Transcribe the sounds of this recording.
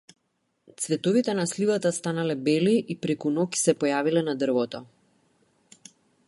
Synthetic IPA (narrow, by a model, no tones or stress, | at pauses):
t̪svɛt̪ɔvit̪ɛnaslivat̪ast̪analɛbɛliʔipɾɛkunɔki̥sɛpɔjavilɛnad̪r̩vɔt̪ɔ